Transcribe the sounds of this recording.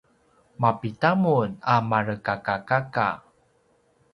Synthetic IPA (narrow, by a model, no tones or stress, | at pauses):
mapitamunamaɾəkakakaka̰